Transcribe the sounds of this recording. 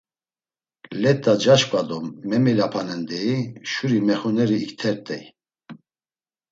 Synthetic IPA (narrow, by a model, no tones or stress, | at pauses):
lɛt̪ʼad͡ʒaʃkʼad̪ɔmːɛmɛlapʰanɛnd̪ɛiʃuɾimɛχɔnɛɾiːkt̪ʰɛɾt̪ʼɛj